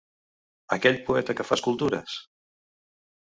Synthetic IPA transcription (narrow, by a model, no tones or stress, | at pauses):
əkɛʎpuɛt̪əkəfaskulˠt̪uɾə̰s